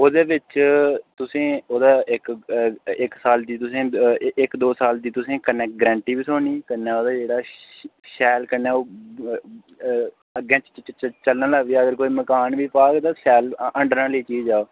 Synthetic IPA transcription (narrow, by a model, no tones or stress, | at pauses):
oːd̪eːʋɪt͡ʃt̪ʊsẽːoːd̪aːɪk | ɪksaːld̪iːt̪ʊsẽːɪkd̪oːsaːld̪iːt̪ʊsẽːkənɛːkʈ̚ɡɾɛ̃ːɳʈiːbiːsoːniːkənɛːoːd̪aːd͡ʒeːɽaːʃɛːlkənɛ̃ːoː | əɡẽːt͡ʃt͡ʃt͡ʃəlnãːlaːʋiːəɡəɾkoːiːməkaːnʋiːpaːɡt̪ãːʃɛːləɳɖəɾnãːliːt͡ʃiːd͡ʒd͡ʒaːoː